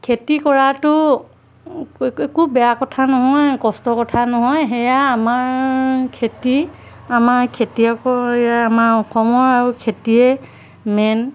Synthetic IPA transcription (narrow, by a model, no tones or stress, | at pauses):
kʰetikɔɹatʊ | ekubɛjakɔtʰanɔɦɔjkɔstɔkɔtʰanɔɦɔjɦɛjaːmaɹkʰeti | amaɹkʰetiakɔɛjaamaɹɔkʰɔmɔɹaɹukʰetiɛ | mɛn